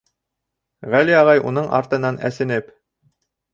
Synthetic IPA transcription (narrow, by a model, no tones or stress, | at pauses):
ʁæliɑʁɑjunɤɴɑ̰ɾt̪ɤ̆nɑnʔæ̰sɘ̆nɘp